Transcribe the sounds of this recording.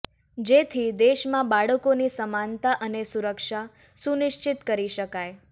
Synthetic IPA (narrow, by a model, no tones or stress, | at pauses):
d͡ʒet̪ʰid̪eʃmãbaɽəkonisəmant̪aʔənesuɾəkʃa | sunɪʃt͡ʃɪt̪kəɾiʃəkaj